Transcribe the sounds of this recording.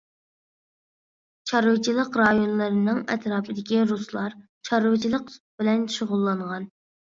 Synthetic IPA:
t͡ʃʰɑɾut͡ʃʰilˠəqɾɑjonlˠɨɾɨnɨŋɛt̪ɾɑːpʰɨd̪ɪkʲiɾuslˠɑɾ | t͡ʃʰɑɾut͡ʃʰilˠəq | b̥ɪlɛnʃuʁʊlˠːɑɴʁɑn

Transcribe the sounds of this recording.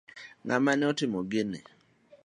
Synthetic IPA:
ŋamanɪɔtɪmoɡɪnɪ̰

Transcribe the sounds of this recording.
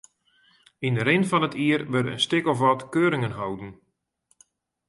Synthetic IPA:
indəɾɪnfɔnətʰiːərʋərə̰nstɪkɔfʋɔtkøːɾɪŋənɦawdn̩

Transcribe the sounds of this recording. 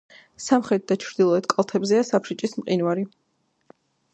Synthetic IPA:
samχɾɛt̪̚d̪at͡ʃʰɾd̪ilˠɔɛt̪̚kʼalˠt̪ʰɛbzɛasapʰʃit͡ʃʼismqʼinwaɾi

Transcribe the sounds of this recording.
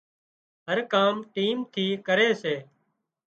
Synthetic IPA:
ɦəɾkaːmʈiːmt̪ʰiːkəɾeːseː

